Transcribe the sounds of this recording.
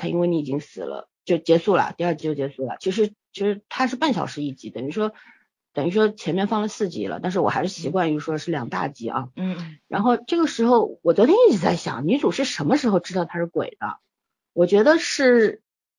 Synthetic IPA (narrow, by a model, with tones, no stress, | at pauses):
t̪ʰa˥ḭ˥nwe˥˩ɪni˧˥i˨˩t͡ɕi˥ŋsɹ̩̰˨˩lə̰˦t͡ɕjo˥˩ʊt͡ɕjɛ˧˥su˥˩lə̰˩t̪i˥˧ə˞˥˩t͡ɕi˧˥t͡ɕo˥˩t͡ɕjɛ˧˥su˥˩lə̰˩t͡ɕʰi˧˥ʂ̬ɻ̩˧˥t͡ɕʰi˧˥ʂɻ̩˧˥t̪ʰa˥ʂɻ̩˥˧pa˥˩nɕjɑ̰˨˩ʊʂɻ̩˧˥i˥˩t͡ɕi˧˥˩t̪ə˨˩ŋy˧˥ʂwɔ˥ | t̪ə˨˩ŋy˧˥ʂwɔ˥t͡ɕʰjɛ˧˥nmjɛ˥˧nfɑ˥˩ŋlə˨sɹ̩˥˩t͡ɕḭ˧˥lə̰˧t̪nʂ̬ɻ̩˥˩wɔ˨˩xa˧˥ɪʂɻ̩˥˩ɕi˧˥kwa˥˧n˧˩u˥˩ʂwɔ˥ʂɻ̩˥˩ljɑ˨˩ŋt̪a̰˥˧˩t͡ɕḭ˧˥ʔɐ̰˧ɻa˧˥nxo˥˧ʊʈ͡ʂɤ˥˩ɡə˩ʂɻ̩˧˥xo˥˧ʊwɔ˨˩t͡swɔ˧˥t̪ʰjɛ˥i˥˩t͡ɕʰi˨˩t͡sa˥˩ɪɕjɑ̰˨˩ŋny˧˥t͡su˨˩ʂɻ̩˥˩ʂə˧˥nmə˧ʂɻ̩˧˥xo˧ʊʈ͡ʂɻ̩˥t̪ɑ˥˩ʊt̪ʰa˥ʂɻ̩˥˩kwḛ˨˩ɪd̪ə̰˦ | wɔ˨˩t͡ɕɥɛ˧˥d̪ə˧ʂɻ̩˥˩